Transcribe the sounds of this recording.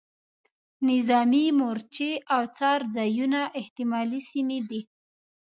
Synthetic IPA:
nɪzɑmimoɾt͡ʃeawt͡sɑɾd͡zɑjunaʔɪht̪ɪmɑlisimed̪i

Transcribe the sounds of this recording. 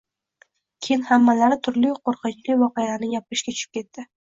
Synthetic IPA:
kʲʰejnhamːalaɾɪt̪ʰʊɾlɪqʰoɾqɨt͡ʃlɪvɒqejanɪjap̚ɪɾɪʃkʲat͡ʃʰʊ̥ʃʰɪp̚kʲʰe̞t̪ːɪ

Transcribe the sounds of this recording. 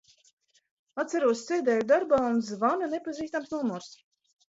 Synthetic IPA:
at̪sæɾuɔssɛd̪ɛːjud̪aɾbaːunzvanʲanepaziːst̪amsnuɔmuɾs

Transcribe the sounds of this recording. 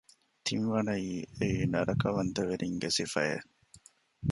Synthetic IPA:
t̪ʰiŋʋɐnɐiːeinɐɾɐkɐʋɐnt̪ɐʋeɾʔiŋɡesifɐjḛ

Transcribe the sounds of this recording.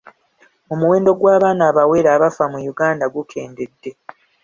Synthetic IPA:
omuwe̞ːndo̞ɡwaːβaːnaːβawe̞ːɾaːβafamujuɡaːndaɡukʰe̞ːnde̞dːe̞

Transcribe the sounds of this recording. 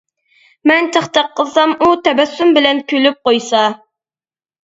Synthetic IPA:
mɛnt̪ʰəχt̪ɑqːəsɑmut̪ʰɛbæsːymbɪlɛnkʲʰylyp̚qojsɑ

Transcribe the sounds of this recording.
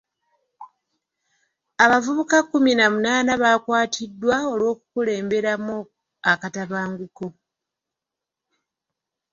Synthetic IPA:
aβavuβukakːuminamunaːnaβaːkwaːtʰidːwao̞lwo̞ːkukule̞ːmbe̞ɾamo | akataβaːŋɡuko̞

